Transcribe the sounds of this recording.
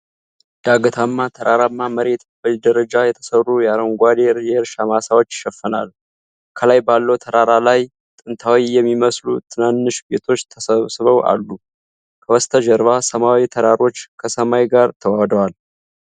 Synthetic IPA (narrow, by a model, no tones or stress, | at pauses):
d̪̥aɡət̪ʰamːat̪ʰəɾʔaɾamːaməɾe̞t̪bəd̪əɾəd͡ʒajɛt̪ʰə̥sərːujaɾəwŋɡʷad̪eɾjɛɪɾʃamasawo̞t͡ʃːʃɛfːənal | kʰəlajbalːəwt̪ʰəɾaɾalaj | t̪ʼɨnt̪ʰawijɛmːiməslut̪ʰɨnanːɨʃbe̞t̪ʰo̞t͡ʃːt̪ʰəsəβsɨβəwʔa̰lːu | kʰəwɔst̪ʰəd͡ʒɛɾβasəmawit̪ʰəɾaɾo̞t͡ʃːkʰəsəmajɡaɾt̪ʰəwad̪əwal